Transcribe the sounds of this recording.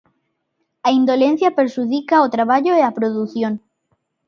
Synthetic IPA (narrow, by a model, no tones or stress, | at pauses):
aind̪olenθjapeɾʃuðikaot̪ɾaβ̞aʎoeapɾoðuθjon